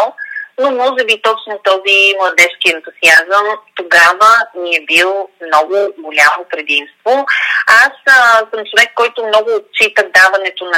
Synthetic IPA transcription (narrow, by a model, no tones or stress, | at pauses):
lˠnomɔʒɛbit̪ɔt͡ʃnot̪ɔzimlˠɐd̪ɛʃkiɛnt̪uziazəmt̪oɡavəniɛbilˠmnɔɡʊɡolʲamopɾɛd̪imst̪voassəmt͡ʃovɛkːɔjt̪ʊmnɔɡʊːt̪̚t͡ʃit̪əd̪avɐnɛt̪onɐ